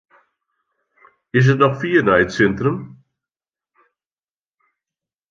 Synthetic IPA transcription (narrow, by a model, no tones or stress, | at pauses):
ɪs̬ɛsnɔχfiːnaɪt͡sɛnt̪ɾəm